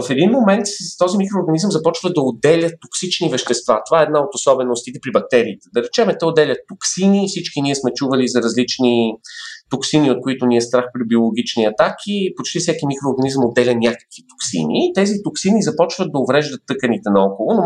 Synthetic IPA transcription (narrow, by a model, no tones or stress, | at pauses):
ɐfɛd̪inmomɛnt̪t̪ɔzimikɾoːɾɡɐnizəmzɐpɔt͡ʃvəd̪ɐod̪ɛlʲət̪ːoksit͡ʃnivɛʃt̪ɛst̪va̰t̪ovaɛːd̪naot̪osɔbɛnost̪it̪ɛpɾibɐk̚t̪ɛɾiːt̪ɛd̪ɐɾɛt͡ʃɛmɛt̪ɛod̪ɛlʲət̪ːoksinifsit͡ʃkiniɛsmɛt͡ʃuvɐlizɐɾɐzlit͡ʃni | t̪oksiniot̪̚koit̪oniɛst̪ɾaxpɾibiolˠoɡ̟it͡ʃniɐt̪akʰipot͡ʃt̪ifsɛkimikɾoːɾɡɐnizəmod̪ːɛlʲɐnʲakə̥kvit̪o̥ksḭniːt̪ɛzit̪oksinizɐpɔt͡ʃvətd̪ɐovɾɛʒd̪ət̪ːɤkənit̪ɛnɐɔkolˠʊno